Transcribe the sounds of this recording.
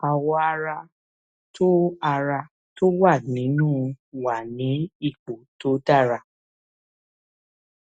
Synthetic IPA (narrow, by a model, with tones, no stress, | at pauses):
a˨wɔ˧a˧ɾa˧ | tʰo˦a˧ɾa˧ | to˦wa˦˨nĩ˨˦nũː˦˨wa˨nĩ˨˦i˦˨k͡po˨to˦da˦˨ɾa˧